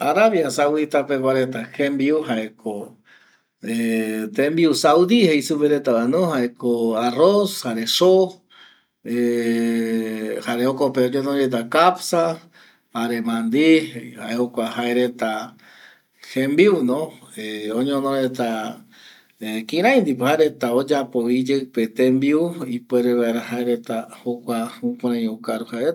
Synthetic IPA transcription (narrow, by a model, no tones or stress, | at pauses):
aɾaβjasawdit̪apeβaɾet̪ahẽmbiuhaʔekʰo | et̪embiusawd̪ihejsupeɾet̪aanũhaekoaroshaɾeso | e | haɾeokopeõɲõnõɾet̪̬akapsa | haɾe̞mãnd̪ihaeokʷahaeɾet̪a | hẽmbiunõeõɲõnoɾet̪a | ekĩɾãj̃nd̪ipɨhaeɾe̞t̪aod͡ʒapoid͡ʒeɨpet̪ẽmbiuipeɾeβaeɾahaeɾe̞t̪ahokʷaũkʷãɾãjukaɾuhaeɾe